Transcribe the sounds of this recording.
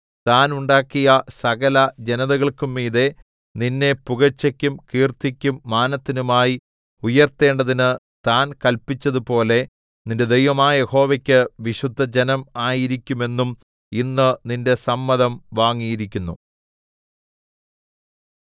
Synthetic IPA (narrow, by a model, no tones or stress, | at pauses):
t̪aːnuɳɖaːkːijɐsɐɣɐlɐd͡ʑe̞nɐðɐɣɐɭkumːiːðe̞ | ninːe̞puɣɐt͡ɕːɐkʲːumkiːrt̪ikʲːumːaːnɐt̪ːinumaːji | ujɐrt̪e̞ːɳɖɐðinɨ | t̪aːnkɐlpit͡ɕːɐðupo̞ːle̞ | ninde̞d̪ejʋɐmaːɐjeho̞ːʋɐkʲːɨʋiɕud̪ʱːɐd͡ʑenɐmaːjiɾikʲːume̞nːum | inːɨninde̞sɐmːɐðɐmʋaːŋːijiɾik̬ʲːunːu